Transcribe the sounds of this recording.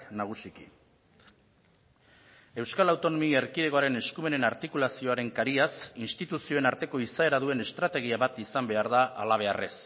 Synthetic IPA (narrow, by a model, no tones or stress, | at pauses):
naɣ̞usikḭ | e̞wskalawt̪o̞no̞mie̞ɾkiðe̞ɣo̞aɾe̞ne̞skume̞ne̞naɾt̪ikulasio̞aɾe̞ŋkaɾiasinst̪it̪usio̞e̞naɾt̪e̞ko̞isae̞ɾaðue̞ne̞st̪ɾat̪e̞ɣ̞iaβat̪isambe̞aɾða̰ːlaβ̞e̞are̞s